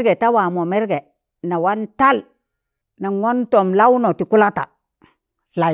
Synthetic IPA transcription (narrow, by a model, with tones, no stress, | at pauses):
ɾɡe˨ta˦wa˨mo˨mɛ˦ɾɡe˨ | na˨wa˦nta˦l | na˨ŋo˦nto˨mla˦wno˨ti˨ku˦la˦ta̰˨ | la˨